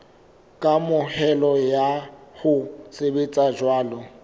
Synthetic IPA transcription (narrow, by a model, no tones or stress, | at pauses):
kʼamʊhɛlɔjaɣʊt͡sʼɪbɪt͡sʼad͡ʒwaːlɔ